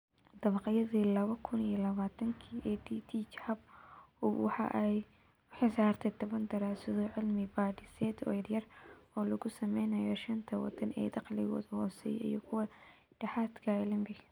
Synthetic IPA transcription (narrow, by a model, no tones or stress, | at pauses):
d̪̥ɐβɑqɑjɐðiːlɐβɐkʰʊnijɐlɐβaːt̪ʰɐŋkʰiːʔɛd̪iːt̪ʰit͡ʃhɐb | wħɑ̰ʔj | ħɪsaːrt̪ʰɛjt̪ʰɔβɐnd̪ɐɾaːsɔðɔʕɪlmɪbaːdɪsɛːd̪ɔ̰ːjɐɾjɐrɔːlɐɣʊsɐmɛjnɐjɔʃɐnt̪ʰɐwɑ̰d̪ɐnɛ̰ːd̪ɑqlɪ̰ɣɔ̰ːðhɔːsɛ̰jḭjɔkʰʊwɐ | ɖ̥ɐħaːt̪kʰɐlɪmbɪ